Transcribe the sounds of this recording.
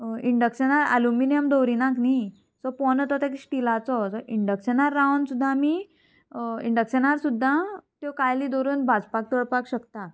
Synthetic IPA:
iɳɖəkɕənaɾa̰luminijəmd̪owɾinakni | sɔpɔnət̪ɔt̪ekɕʈilat͡sɔsɔʔiɳɖəkɕənaɾːawnsud̪ʱːami | ḭɳɖəksenaɾsud̪ʱːãt̪jokajlid̪ɔɾuːnbad͡zpak̚t̪ɔɽpakɕəkt̪a

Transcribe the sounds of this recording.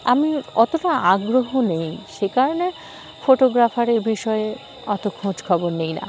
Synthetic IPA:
amiɔt̪oʈaaɡɾoɦonejʃekaɾone | foʈoɡɾafaɾeɾbiʃɔe | ɔt̪okʰõd͡ʑkʰɔboɾnejna̰

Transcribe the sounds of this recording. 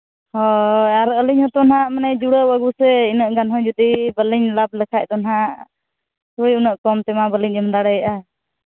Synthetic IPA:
hɔaɾəliɲhɔt̪ɔnhaʔmanɛd͡ʒuɽəwəɡusɛinəʔɡanɦɔ̃d͡ʒud̪ibəliɲlab̚lɛkʰac̚ˀt̪ɔnɦaʔ | t̪uɽiunəʔkɔmt̪ɛmabəliɲəmd̪aɽɛjaʔa

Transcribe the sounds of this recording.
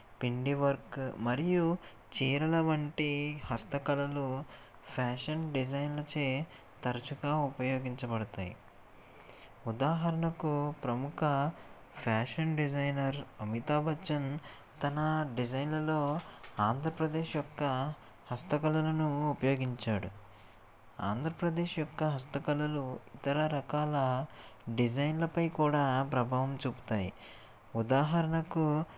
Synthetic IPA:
piɳɖiʋɐɾkmɐɾiju | t͡ʃiːɾɐlɐʋɐɳʈihɐst̪ɐkɐlɐlu | pʰaːʂɐnɖid͡ʒɐjnlɐt͡ʃeː | t̪ɐɾɐt͡ʃuɡaːupɐjo̞ːɡiɲt͡ʃɐbɐɽɐt̪aːjḭ | ud̪aːɦɐɾɐnɐkupɾɐmukʰɐ | pʰaːʂɐnɖid͡ʒɐjnɐɾɐmit̪aːbʱɐt͡ʃːɐn | t̪ɐnɐɖid͡ʒɐjnlɐlo̞ːaːnd̪ʱɾɐpɾɐd̪e̞ːʃjɔkːɐ | hɐst̪ɐkɐlɐlɐnuːpɐjoːɡiɲt͡ʃaːɽu | a̰ːnd̪ʱɾɐpɾɐd̪e̞ːʃjɔkːɐɦɐst̪ɐkɐlɐluit̪ɐɾɐɾɐkaːlɐɖid͡ʒɐjnlɐpɐjkuːɽaːpɾɐbʱaːʋɐmt͡ʃuːpu̥t̪aːjḭ | ud̪aːɦɐɾɐɳɐku

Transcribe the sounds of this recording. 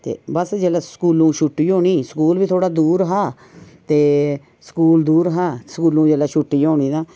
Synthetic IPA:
t̪ḛːbəsd͡ʒeːlaːsə̥kuːlũːʃʊʈːiːɦoːɳiːsəkuːlbiːt̪ʰoːɽaːd̪uːɾɦaː | t̪eː | sə̥kuːld̪uːɾɦaːsəkuːlũːd͡ʒeːlaːʃʊʈːiːoːɽ̃iːd̪aː

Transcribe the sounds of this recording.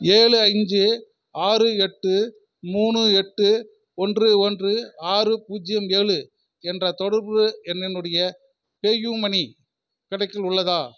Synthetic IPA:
eːɭɯɐɪɲd͡ʒɯ | aːrɯɛʈːɯ | muːɳɯɛʈːɯ | ɔndrɯɔndrɯaːrɯpuːd͡ʒɪjɐmeːɭɯ | ɛndrɐt̪ɔɽɐɾbɯɛnːɪnːɯɽɐjɐ | peːjuːmɐni | kɪɽɐɪkːɪlʊɭːɐðaː

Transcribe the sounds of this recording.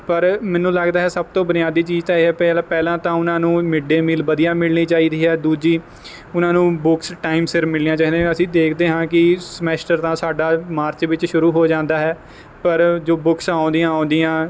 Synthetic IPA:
pəɾmɛ̃ːnũːləɡd̪aːɦɛːsəb̚t̪õːbənɪjaːd̪iːt͡ʃiːd͡ʒt̪ãːeːɦɛːpɛlːpɛːlãːt̪ãːʊnãːnũːmɪɖeːmɪlʋəd̪ijaːmɪlniːt͡ʃaːiːd̪iːɦɛːd̪uːd͡ʒiː | ʊnãːnũːbʊksʈaːɪmsɪɾmɪliːjãːt͡ʃaːiːd̪ẽəsĩːd̪eːkʰd̪eːɦãːkɪsmɛːsʈəɾt̪ãːsaːɖaːmaːɾt͡ʃʋɪt͡ʃʃʊɾuːɦoːd͡ʒãːnd̪aːɦɛː | pəɾd͡ʒoːbʊksãːnd̪ijãːãːnd̪ɪjãː

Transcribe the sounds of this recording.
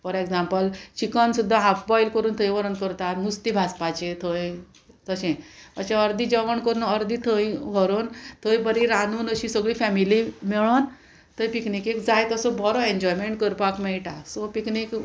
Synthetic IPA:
fɔɾeɡd͡zãmpəlt͡ɕikənsud̪ʱːaɦafbɔjlkəɾuːnt̪ʰəjʋəɾənkəɾt̪at̪must̪ibʱaspat͡ɕet̪ʰəj | d͡zəɕẽʋət͡ɕaəɾd̪ʱid͡ʑəʋəɳkəɾuːnəɾd̪ʱit̪ʰəjʋəɾont̪ʰəjbəɾĩɾanuːnəɕĩsəɡɭiːfɛmilimɛɭon | t̪əjpiknikekd͡zajt̪əsɔbɔɾɔeɲd͡ʑɔjmeɳʈ̚kəɾpakmɛɭʈasɔpiknik

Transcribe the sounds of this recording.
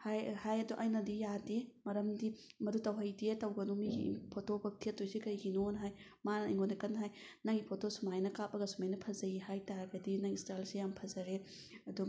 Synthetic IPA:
hajhajɐduʔajnɐdijademɐɾɐmdi | mɐdutɐwɦɐjdietɐwɡɐnumiɡḭpʰotobɐtʰetːojzekɐjɡinonɦaj | maniŋɡonekɐnɦajnɐŋipʰotosumajnɐkap̚ːɐɡɐsumajnɐpʰɐzɐihajtaɾɐɡɐdinɐŋistalsejampʰɐzɐɾe | ɐdu

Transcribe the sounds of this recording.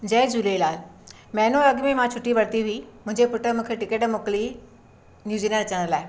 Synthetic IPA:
d͡ʑɛːd͡ʑulelaːl | mɛ̃ːnoɐɡmẽmãt͡ɕʰʊʈːiʋɐɽt̪iɦuimʊ̃ɦɪ̃ɲd͡ʑepʊʈəmũkʰeʈɪkeːʈmoːkli | njuːd͡ʑiːlẽːnət͡ɕəɽ̃əɾlaːɪ

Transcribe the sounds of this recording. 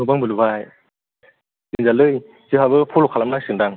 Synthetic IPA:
ubaŋbɯlubaj | inzalɯj | zɯɦabɯpʰɔlɔkʰalamnajsɯŋdaŋ

